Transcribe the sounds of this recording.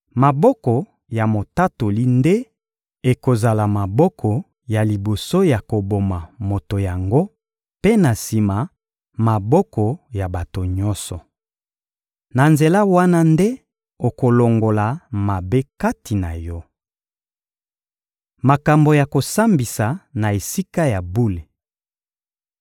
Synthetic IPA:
ma˨bɔ˦kɔ˨ | ja˨mo˨ta˦to˨li˦nde˦ | e˨ko˨za˨la˨ma˨bɔ˦kʰɔ˨ | ja˨li˨bo˨so˦ja˨ko˨bo˨ma˨mo˨to˨ja˨ŋɡo˦ | pe˦na˨si˨ma˨ | ma˨bɔ˦kɔ˨ja˨ba˨to˨ɲɔ˦nsɔ˨ | na˨nze˨la˦wa˦na˦nde˦ | o˨ko˨lo˨ŋɡo˨la˨ma˨be˦ka˦tʰi˨na̰˨jɔ˦ | ma˨ka˨mbo˨ja˨ko˨sa˦mbi˨sa˨na˨e˨si˦ka˦ja˨bu˦le˨

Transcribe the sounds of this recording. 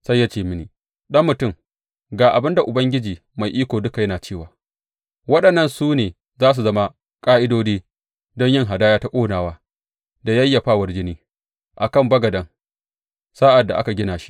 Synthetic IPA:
sa˦jːa˦t͡ʃeː˦˨mɪ˦niː˨ | ɗɐ˦mːʊ˨tʊ˦˨m | ɡaː˨ʔa˨bɪ˦nda˨ʔʊ˨bɐ˦ŋɡʲɪ˦d͡ʒiː˨ | ma˨jʔiː˦kʷoː˨dʊ˦ka˨jɐ˦naː˨t͡ʃeː˦˨waː˨ | wɐ˦ɗɐ˨nːɐ˦˨nsuː˦neː˨ | zaː˦s̬u˨zɐ˦ma˦ | kʼaː˦ʔɪ˦doː˦d͡ʒeː˦ | dɔ˦ɲjɪ˦ŋɦa˨daː˦jaː˦ta˦kʷʼoː˦naː˨waː˦ | da˨jɐ˦jːɐ˨ɸaː˦˨wɐ˦˨rd͡ʒɪ˦niː˦ | ʔa˨kɐ˦˨mbɐ˦ɡɐ˨dɐ˦ŋ | saː˦ʔa˨dːa˨ʔa̰˦ka˨ɡʲɪ˦naː˨ʃi̥˦ʔ

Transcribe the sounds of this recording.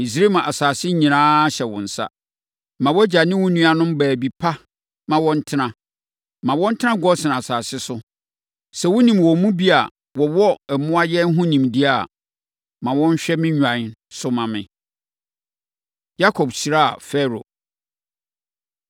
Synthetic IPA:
i˨s̬ɾe˦mã˨ʔa˨saː˨sɪ˦ɲĩ˨nãː˦ɕɛ˨wɔ̰̃˨n̩˨sa̰˦ | mã˨wɔ˦d͡ʑa˨nɪ̃˦wʊ̃˦nũ˦a˦nʊ̃˦mbæː˨bi˨pʰa˦ | mã˨wɔ̃˦n̩˦tʰɪ˦nã˦ | mã˨wɔ̃˦n̩˦tʰɪ˦nã˦ɡɔ˦sɪ̃˨nã˨a˨saː˨sɪ˦sʊ˦ | sɛ˨wʊ̃˦nĩ˨mwɔ̃˨mũ˦bi˦a˨ | wɔ˨wɔ˦ɛ˨mʊ̃˦a˦jɛ˦n̩˦ɦʊ̃˦nĩ˨mdi˦a˨ | mã˨wɔ̃˦n̩˦ɕᶣɛ˦mɪ̃˦ɲᶣ˨ã˨˦sʊ˦mã˨mɪ̰̃˨ | ja˦kʰɔ˨bsi˨ɾa˦a̰˨fɛ˦ɾo̰˨

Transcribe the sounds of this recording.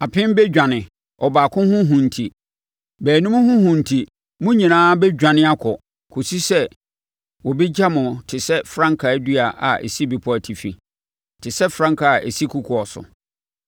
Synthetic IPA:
a˨pʰɪ̃˦m˦bɛ˦d͡ʑᶣã˨nɪ̃˨ | ɔ˨baː˨kʰʊ̃˦hʊ̃˦ɦʊ̃˨n̩˨tʰi˨ | bæː˨nũ˦m̃˦hʊ̃˦hʊ̃˨n̩˨tʰi˨ | mʊ̃˦ɲĩ˨nãː˦bɛ˦d͡ʑᶣã˨nɪ̃˦a˦kʰɔ˨ | kʰo˨si˦sɛ˦ | wɔ˨bɛ˦d͡ʑa˦mʊ̃˨tʰɪ˨sɛ˦fɾã˦ŋkʰa˨æ˦du˦a˨ʔa̰˨ʔḛ˨si˦bɪ˨pʰʊ˦æ˨tʰi˨fḭ˨ | tʰɪ˨sɛ˦fɾã˦ŋkʰa˨ʔḛ˨si˦kʰu˦kʰʊ˨ɔ˨sʊ̰˨

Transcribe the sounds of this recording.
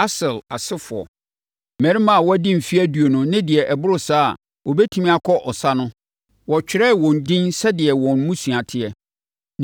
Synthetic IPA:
a˦sɪ˨la˨sɪ˦fʊ˨ɔ̰˨ | mɛ̃˨ɾi˦mã˦˨wɔ˦æ˦dɪ̃˦m̩˨fi˦æ˦du˨o˨nʊ̃˦nɪ̃˦dɪ˨ɛ˨ʔɛ˨bʊ˦ɾʊ˦˨sa̰ː˦˨ | wɔ˨bɛ˦tʰĩ˦mĩ˦a˨kʰɔ˦ʔɔ˨sa˦nʊ̃˦ | wɔ˨t͡ɕᶣɪ˨ɾɛ˦˨wɔ̃˨n̩˨dɪ̃˦nsɛ˦dɪ˨ɛ˨wɔ̃˨n˦mũ˦sũ˨a˨tʰɪ˦ɛ˨

